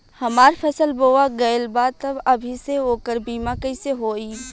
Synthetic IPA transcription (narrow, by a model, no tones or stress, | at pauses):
hɐmaːɾpʰɛsəlboːaɡɐelbaːd̪̚t̪ɐbɐbʱiseɦoːkəɾbiːmakɐiseɦoːiː